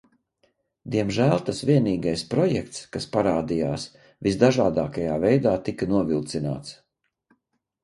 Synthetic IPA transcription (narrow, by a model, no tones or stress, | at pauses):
d̪iɛmʒælˠt̪asviɛniːɡajspɾɔjɛk̚t̪skaspaɾaːd̪ijaːs | vizd̪aʒaːd̪aːkajaːvɛjd̪aːt̪ikanuɔvilˠt̪sina̰ːt̪s